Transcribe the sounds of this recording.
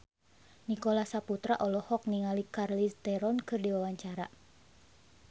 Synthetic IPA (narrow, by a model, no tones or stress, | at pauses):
nikolasaput̪ɾaʔɔlɔhɔk̚niŋalikarlist̪ɛɾɔnkɨrdiwawaɲt͡ʃaɾa